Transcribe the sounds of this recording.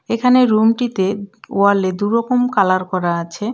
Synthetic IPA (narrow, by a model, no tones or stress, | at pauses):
ekʰaneɾumʈit̪eoaled̪uɾɔkomkalaɾkɔɾaat͡ɕʰe